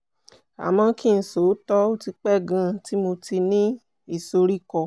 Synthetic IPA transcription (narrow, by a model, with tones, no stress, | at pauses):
a̰˨mã˧kĩ˦˨n̩˨so˨˦tɔ˦o˦ti˧k͡pɛ˦˨ɡã˧˨ti˦mo˧ti˧nĩ˦ | i˦˨so˧ɾi˦˨kɔ˧˨